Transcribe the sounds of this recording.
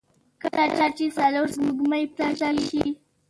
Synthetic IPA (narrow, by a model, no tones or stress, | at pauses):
kəlat͡ʃat͡ʃesaloɾzmuɡmajp̚t̪aʒaʃi